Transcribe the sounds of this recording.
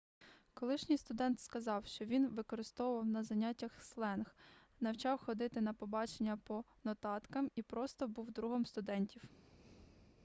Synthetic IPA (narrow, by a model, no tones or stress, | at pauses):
kɔlˠɪʃnʲijst̪ʊd̪ɛnt̪skɐzɑwʃt͡ʃɔʋʲinʋɪkɔɾɪst̪ɔwʊʋɐwnɐzɐnʲatʲːɐxslˠɛnx | nɐwt͡ʃɑwxɔd̪ɪt̪ɪnɐpɔbɑt͡ʃenʲːɐpɔnɔt̪ɑt̪kɐmipɾɔst̪ɔbuwd̪ɾuɦɔmst̪ʊd̪ɛnʲtʲiw